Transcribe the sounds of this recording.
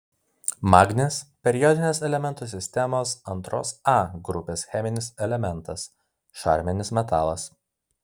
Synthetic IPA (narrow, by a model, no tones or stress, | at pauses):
mɑːɡnʲeːspʲɛɾʲɪjɔd̪ʲɪnʲeːsɛlʲɛmʲɛnt̪uːsʲɪsʲt̪ʲɛmoːsɐnˑt̪ɾo̰ːsɑɡɾʊpʲeːsxʲɛmʲɪnʲɪsɛlʲɛmʲɛnˑt̪ɐs | ʃɑ̰ːˑɾʲmʲɛnʲɪsmʲɛt̪ɑːlˠɐs